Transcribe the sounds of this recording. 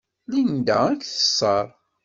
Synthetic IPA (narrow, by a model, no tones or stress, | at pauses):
lind̪æ̰ækθə̥sˤːɑɾˤ